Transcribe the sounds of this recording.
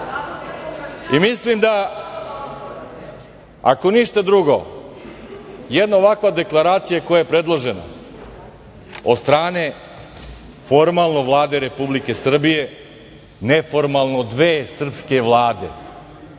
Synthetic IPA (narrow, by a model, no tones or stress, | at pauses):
imislimd̪a | a̰koniʃt̪ad̪ɾuɡo̰ | jed̪naoʋakʋad̪e̞klˠaɾaːt̪sijakojajepɾe̞d̪lˠoʒena̰ | od̪st̪ɾaːne̞ | fo̞ɾmalˠnoʋlˠaːd̪e̞ɾepublike̞sr̩bije̞ | nefo̞ɾmalˠnod̪ʋeːsr̩pske̞ʋlˠaːd̪e̞̰